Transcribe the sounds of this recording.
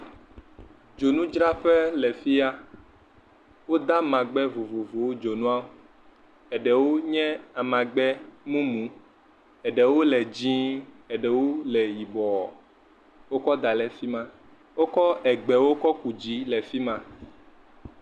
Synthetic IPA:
d͡ʒo˨nũ˦d͡ʒɾa˦ɸɛ˦lɛ˨fi˦a˦ | wo˦d̪a˦mã˨ɡ͡bɛ˦vo˨vo˨vo˨wo˦d͡ʒo˨nũ˦a˦ | ɛ˨ɖɛ˨wo˦ɲɛ̃˦a˨mã˨ɡ͡bɛ˦mũ˦mũ˨˦ | ɛ˨ɖɛ˨wo˦lɛ˨d͡ʒĩ˦ | ɛ˨ɖɛ˨wo˦lɛ˨ji˨bɔ˨ɔ˨ | wo˦kɔ˦d̪a˨lɛ˦fi˦mã˦ | wo˦kɔ˦ʔɛ˨ɡ͡bɛ˨wo˦kɔ˦ku˨d͡ʑi˦lɛ˨fi˦mã˦

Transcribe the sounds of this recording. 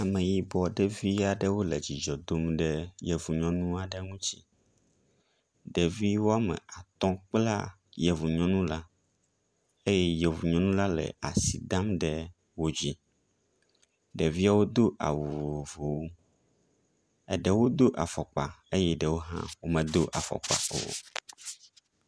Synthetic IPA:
a˨mɛ̃˨ji˦bɔ˨ɖɛ˦vi˦a˨ɖɛ˦wo˦lɛ˨d͡ʑi˨d͡ʒɔ˨d̪o˦mɖɛ˦jɛ˨vu˨ɲɔ̃˦nũ˦a˨ɖɛ˦ŋũ˦t͡ɕi̥˦ | ɖɛ˨vi˦wo˦a˦mɛ̰̃˨a˨t̪ɔ̃˦k͡pla̰˦ | jɛ˨vu˨ɲɔ̃˦nũ˦la˦ | e˦jɛ˦jɛ˨vu˨ɲɔ̃˦nũ˦la˦lɛ̰˨a̰˨si˨d̪ã˦mɖɛ˨ | wo˦d͡ʑi˦ | ɖɛ˨vi˦a˦wo˦d̪o˦ʔa̰˨wu˨vo˨vo˨wu˦ | ɛ˨ɖɛ˨wo˦d̪o˦ʔa̰˨fɔ˨k͡pa˨e˦jɛ˦ɖɛ˨wo˦ɦã̰˦wo˦mɛ̃˨d̪o˦ʔa˨fɔ̰˨k͡pa̰˨o̰˨˦

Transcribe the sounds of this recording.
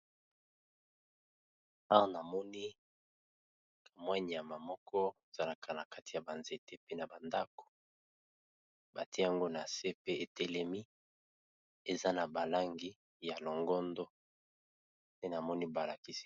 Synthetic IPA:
ã˦na˨mɔ˦ni˦ | ka˨mwa˦ɲi˨a˨ma˨mɔ˦kʰɔ˦e˨z̥a˦na˨kʰa˨na˨ka˦ti˨ja˨ba˨nze˨te˦pe˦na˨ba˨nda˦ko̥˨ | ba˨ti˦ja˦ŋɡo˦na˨se˦pe˦e˨tɛ˨lɛ˨mi˦ | e˨za˦na˨ba˨la˦ŋɡi˦ | ja˨lo˨ŋɡɔ˦ndɔ˦ | ne˦na˨mɔ˦ni˦ba˨la˨ki˦si̥˦

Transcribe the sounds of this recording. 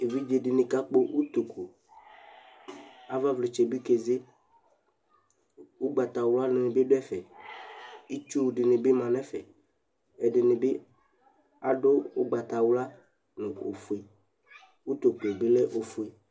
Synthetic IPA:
e˨vi˦d͡ʒe˨dɪ˨nɪ̃˨ka˦k͡po˦ʔu˦t̪o˨kʰo˨ | a˦va˦vlɪ˨t͡ʃɛ˨bi˦ke˨ze˦ | u˦ɡ͡ba˨t̪a˨wla˦nʊ̃˨nɪ̃˨bɪ˦ɖʊ˦ɛ˦fɛ˨ | i˦t͡ʃu˦˨ɖɪ˨nɪ̃˨bɪ˦mã˨nɛ̃˦fɛ˨ | ɛ˨dɪ˨nɪ̃˨bɪ˦ | a˦ɖʊ˦ʊ˦ɡ͡ba˨t̪a˨wla˦ | nʊ̃˨o̰˨fu˨i˨ | u˦t̪o˨ko˨bɪ˦lɛ˦ʔo˨fu˨e˨

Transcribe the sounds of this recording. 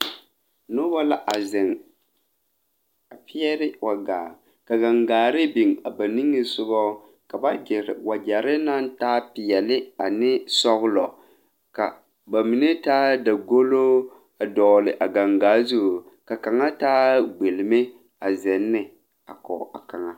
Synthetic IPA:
nʊ˦ba˦la˦ʔa˨zɪ˨ŋ | a˨pi˦ɛ˦ɾɪ˦wʔa˨ɡaː˨ | ka˨ɡa˨ŋɡaː˨ɾɪ˦bi˨ŋa˨ba˨ni˦ŋɨ˦sʊ˦bɔ˦ | ka˨ba˦d͡ʒɪ˨ɾwa˨d͡ʒa˨ɾɪ˦na˦n˦taː˦pɪ˨jɛ˨lɪ˦a˨nɪ˦sɔ˦ɣʊ˦lɔ˨ | ka˨ | ba˨mi˨nɪ˦taː˦da˨ɡo˦loː˦ | a˨dɔ˨lɪ˨ʔa˨ɡa˨ŋɡaː˨˦zu˦u˨ | ka˨ka˨ŋa˦taː˦ɡ͡be˨lɪ˨mɪ˦ | a˨zɛ˨nːɪ˦ | a̰˨kɔ̰˨a̰˨ka˨ŋa˦

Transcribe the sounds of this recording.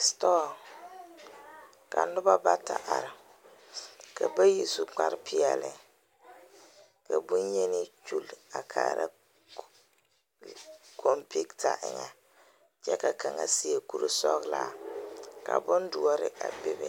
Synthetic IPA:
stɔː˦ | ka˨nʊ˦ba˦ba˦ta˨ʔa˨ɾɪ˨ | kʰa˨ba˦ji˨su˨k͡pa˦ɾpɪ˦ɛ˨lɪ˨ | ka˨bʊ˦nje˦nɪ˦t͡ʃu˦˨la˨kʰaː˨ɾa̰˨ | kʰo˦mpi˦kta˨ʔɪ˨ŋa˨ | d͡ʒɛ˦ka˨ka˨ŋa̰˨si˦e˦˨ku˨ɾo˨sɔ˦klaː˨ka˨bʊ˦ndu˦ɔ˦ɾɪ˨ʔa˨bɪ˦bɛ˨

